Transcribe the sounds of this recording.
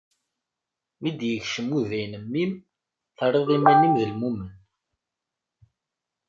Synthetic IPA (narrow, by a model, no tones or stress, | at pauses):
mid̪jəçʃəmuðæjnəmːim | θərˤːeðˤimænimðəlmumən